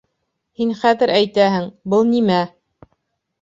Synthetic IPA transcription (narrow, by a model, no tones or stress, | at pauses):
hinχæðɘɾʔæjt̪æhɘŋbɤlˠnimæ